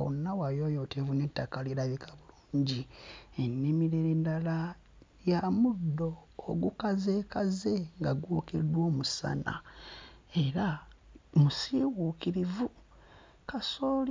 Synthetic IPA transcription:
o̰nːawajojotʰevunetːakaliɾaβikʰaβuluːɲɟienːimiɾeɾendala | jamudːo̞ːɡukaze̞ːkaze̞ŋɡaɡwukedwo̞ːmusa̰na̰ | e̞ɾa | musiwuːkiɾivu | kasoːl

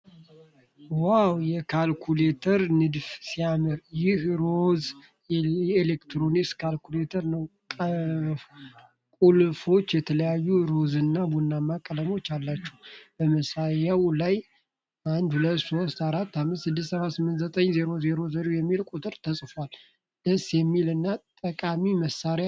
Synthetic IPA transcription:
wawjɛkʰalkʰulet̪ʰəɾnɨd̪fsijamɨɾjɪhɾo̞z | elekt̪ɾo̞niskʰalkʰulet̪ʰəɾnəw | kʼ | kʼulfo̞t͡ʃːjɛt̪ʰələjajːuɾo̞zɨnːabunːamːakʼələmo̞t͡ʃːalːat͡ʃːɛwb̥əməsajawlaj | and̪hulət̪ːso̞st̪aɾat̪ːamːɨt̪sɨd̪ːɨst̪səβat̪sɨmːɨnt̪zət̪ʼəɲzeɾo̞zeɾo̞zeɾojɛmːilkʼut̪ʼɨɾt̪ʰəsʼfal | d̪̥əsjɛmːilɨnːat̪ʼəkʼamiməsːaɾja

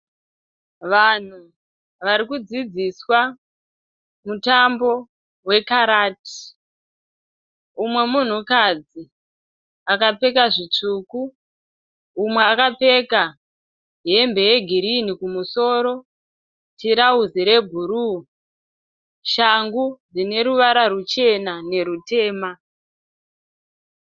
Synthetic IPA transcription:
ʋan̤u | ʋaɾikud͡zid͡ziswa | mutambo̞ | we̞kaɾaːti̥ | umwe̞mun̤ukad͡zi | akape̞kaʐit͡ʂuku | umwe̞akap͡fe̞ka | ɦe̞mbe̞je̞ɡʱiɾinikumuso̞ɾo̞ | tiɾauziɾe̞ɡʱuɾu | ʃaŋɡud͡zine̞ɾuʋaɾaɾut͡ʃe̞nane̞ɾute̞ːma

